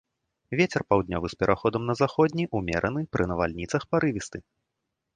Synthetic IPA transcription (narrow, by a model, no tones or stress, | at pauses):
vʲet͡sʲɛrpawd̪ʲnʲɔvɨspʲɛɾʔaxɔd̪ɐmnɐzaxɔd̪ʲnʲiʔumʲɛ̰ɾʔɐnɨpɾʔɨnɐva̰lʲnʲit̪sɐxpaɾɨvʲist̪ɨ